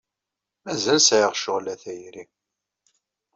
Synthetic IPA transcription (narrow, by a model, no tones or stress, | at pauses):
mæzælsʕɪʁʃoʁlæθæjɾi